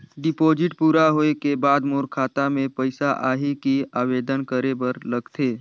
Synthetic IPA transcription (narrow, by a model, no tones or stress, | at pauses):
ɖɪpoːd͡ʒɪʈpuːɾaɦoːekebaːd̪moːɾkʰaːt̪amẽpəɪsaʔa̰ːɦikiaːʋeːd̪ənkəɾebəɾlɐɡt̪ʰeː